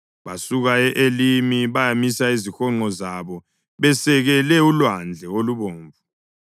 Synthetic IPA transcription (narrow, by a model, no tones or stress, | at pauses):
βasuɣaɛʔelimiβajamisaizixɔŋ͡ǃɔzaβɔ | βɛsɛɣɛlɛulwand͡ɮʱɛoluβoːɱvu